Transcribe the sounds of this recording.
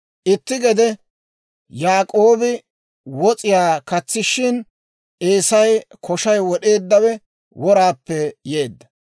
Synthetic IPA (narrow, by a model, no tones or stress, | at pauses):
ʔɪt̪ːɪɡɛd̪ɛ | jaːkʼoːbɪ | wɔt͡sʼɪjaːkɐt͡sːɪʃɪn | ʔeːsɐjkʰɔʃɐjwɔɗe̞ːd̪ːɐwɛ | wɔɾaːpːɛje̞ːd̪ːɐ